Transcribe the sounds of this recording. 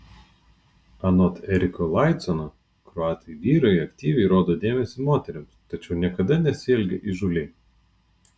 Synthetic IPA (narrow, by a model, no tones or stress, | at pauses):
ɐnɔt̪ɛɾʲɪkolˠɑˑɪt̪sɔno | kɾɔɑːt̪ɐjʋʲiːɾɐɐkt̪ʲiːʋʲɛɪɾoːd̪oːd̪ʲeːmʲɛsʲiːmoːt̪ʲɛɾʲɪmst̪ɐt͡ʃʲɛʊnʲiɛkɐd̪ɐnʲɛsʲɪɛlʲɡʲɛʔiʒʊlʲɛɪ